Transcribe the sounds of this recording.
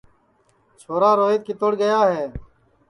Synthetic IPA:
t͡ʃʰoːɾaːɾoːit̪̚kɪt̪oɽɡəjaːɦeː

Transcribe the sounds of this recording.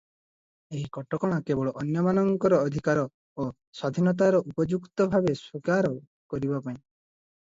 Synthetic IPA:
eɦikɔʈɔkɔɽ̃akebɔɭɔʔɔnjɔmanɔŋkɔɾɔːd̪ʱikaɾɔ | o | sad̪ʱinɔt̪̬aɾɔʔupɔd͡ʒukt̪ɔbʱabeswikaɾɔ | kɔɾibapaĩ

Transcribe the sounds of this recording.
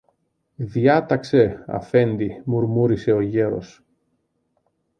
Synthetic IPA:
ðjɐt̪ɐkse̞ɐ̰fe̞nd̪imuɾmuɾise̞o̞ʝe̞ɾo̞̰s

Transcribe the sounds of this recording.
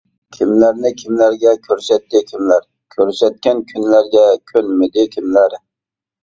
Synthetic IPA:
kʲʰimlæɾnɪkʲʰimlæɾɡʲɛkʲʰøɾsɛt̪ːɪkʲʰimlæɾ | kʲʰøɾsɛt̪̚kʲɛnkʲʰynlæɾɡʲɛkʲʰønmɪd̪ɪkʲʰimlæɾ

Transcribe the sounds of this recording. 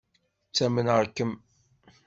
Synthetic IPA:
t͡sːæmənəɾkːəm

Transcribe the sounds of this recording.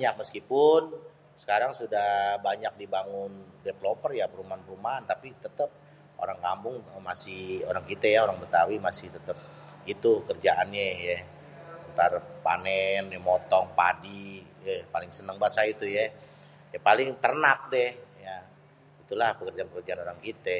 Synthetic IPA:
baɲak̚məskipʊn | sə̥kaɾaŋsudahbaɲak̚dibaŋʊndevlopərjapəɾumaanpəɾumaant̪apit̪ət̪əp̚ | ʔo̰ɾaŋkambʊŋmasɪhoɾaŋkit̪ajaoɾaŋbət̪awimasɪht̪ət̪əp̚it̪ukərd͡ʒaʔanɲɛjɛ | ənt̪arpa̰nɛnamɔt̪ɔŋpa̰dijɛpalɪŋsənəŋbasait̪ujɛ | japalɪŋt̪ərnak̚dɛhja | it̪ulahpəkərd͡ʒanpəkərd͡ʒaːnoɾaŋkit̪ɛ

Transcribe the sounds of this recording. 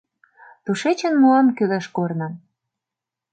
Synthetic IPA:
t̪uʃet͡ɕə̆nmuɑmkylæʃkornɑ̆

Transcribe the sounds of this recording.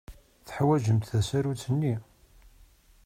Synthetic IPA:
θə̥ħwæʒəmt̪θæsæɾut͡sːənːi

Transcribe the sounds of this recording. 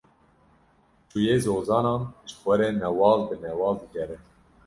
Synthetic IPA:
t͡ʃujeːzoːzɑːnɑːnʒɨ̥xʷɛɾeːnɛwɑːlbɨnɛwɑːld̪ɨɡɛɾɛ

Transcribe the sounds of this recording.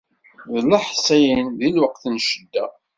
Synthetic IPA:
ðlːaħsæjənðilwəqθənʃəd̪ːæ

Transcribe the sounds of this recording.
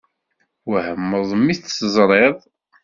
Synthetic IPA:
wəhəmːəðˤmːiθsəzˤɾˤeðˤ

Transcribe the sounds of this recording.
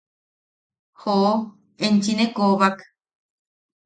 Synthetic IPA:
hoʔo | ent͡ʃinekoβak

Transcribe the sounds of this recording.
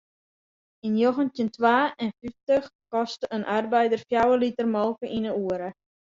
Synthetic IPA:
injoχəntjəntʋaːɛnfiftəxkɔstəənʔarbɛjdərfjawəlitərmɔlˠkəʔinəuəɾə

